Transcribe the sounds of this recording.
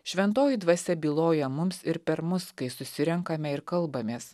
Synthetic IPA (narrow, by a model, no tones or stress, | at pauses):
ʃʲʋʲɛnt̪oːjid̪ʋɐsʲɛbʲiːlˠoːjɛmʊmsɪɾpʲɛɾmʊskɐɪsʊsʲɪɾʲɛŋkɐmʲɛɪɾkɐlˠbɐmʲeːs